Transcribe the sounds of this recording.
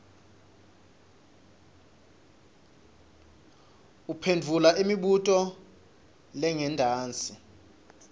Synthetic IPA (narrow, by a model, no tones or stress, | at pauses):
upʰendʱulaʔimiɓutʼɔ | lɛŋɛndʱaːnt͡sʼi